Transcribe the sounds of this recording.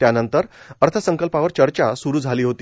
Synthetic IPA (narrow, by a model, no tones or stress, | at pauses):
t̪janənt̪əɾəɾt̪ʰəsəŋkəlpaʋəɾt͡ɕəɾt͡ɕasuɾuːd͡zʱaliːɦot̪iː